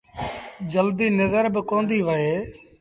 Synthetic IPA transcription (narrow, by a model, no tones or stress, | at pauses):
d͡ʒəld̪iːnəzəɾbɪkoːnd̪iːʋəɦeː